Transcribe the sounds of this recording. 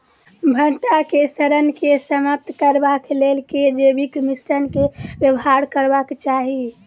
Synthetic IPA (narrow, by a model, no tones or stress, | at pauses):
bʱəʈakesəɾənkesəməp̚t̪kəɾbaklelked͡ʒebikmisɾənkebjəbɦaɾkəɾbakt͡ʃaɦi